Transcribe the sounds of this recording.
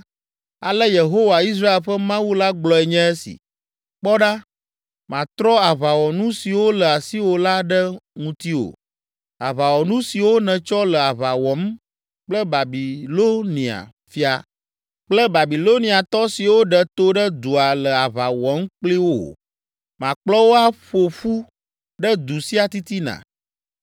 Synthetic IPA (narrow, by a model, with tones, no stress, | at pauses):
a̰˨lə˦je˨ɦo˦wa˨i˦s̬ɾa˦e˨lɸə˦mã˦wu˦la˦ɡ͡blɔ˨˦ɛ˨ɲɛ̃˦ɛ˦sḭ˨ | k͡pɔ˦ɖa˦ | mã˨t̪ɾɔ˦a˨βa˨wɔ˨nũ˦si˨wo˦lə˨a˨si˦wo˨la˦ɖə˦ŋũ˨t̪i˦o̰˨ | a˨βa˨wɔ˨nũ˦si˨wo˦nɛ̃˨t͡ʃɔ˦lə˨a˨βa˨wɔ˨˦m | k͡plə˦ba˨bi˨lo˦nĩ˨a̰˨ | fi˦a˨ | k͡plə˦ba˨bi˨lo˦nĩ˨a˨t̪ɔ˦si˨wo˦ɖə˨t̪o˦ɖə˦d̪u˨a˨lə˨a˨βa˨wɔ˨˦m˦k͡pli˦wo̰˦˨ | mã˨k͡plɔ˦wo˦a˦ɸo˨fu˦ | ɖə˦d̪u˨si˦a˨t̪i˦t̪i˦nã̰˨